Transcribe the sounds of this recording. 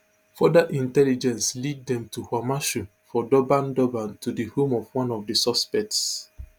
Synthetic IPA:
fɔdaʔĩntɛlid͡ʒɛ̃nslid̚dɛ̃mtuhwamaʃu | fɔdɔbãndɔbãntʰudihõmɔvwãnɔvdəsɔspɛk̚ts

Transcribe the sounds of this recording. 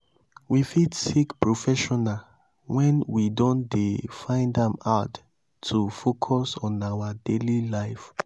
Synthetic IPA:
wifidsikpɹofɛʃɔna | wɛ̃nwidõndefãɪ̃ndãmaʊtʰː | ufokʰɔsɔ̃nawadelilaɪf

